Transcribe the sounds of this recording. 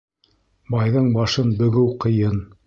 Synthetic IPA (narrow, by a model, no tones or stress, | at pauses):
bɑjðɤɴbɑʃɤnbɵ̆ɡɘwqɤ̆jɤn